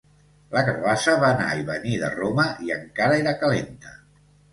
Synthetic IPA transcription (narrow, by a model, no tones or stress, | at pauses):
ləkəɾβasəβaːna̰iβəniðə̰roməʔiəŋkaɾəeɾəkəlent̪ə